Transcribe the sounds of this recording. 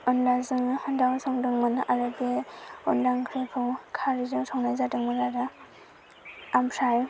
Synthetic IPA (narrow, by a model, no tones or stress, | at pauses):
ɔnlazɯŋhɔndawsɔŋdɯŋmɯnʔaɾɯbeɔndaŋkʰɾekʰɯwkʰaɾidɯŋsɔŋnajzadɯŋmɯnaɾa | ampʰɾaj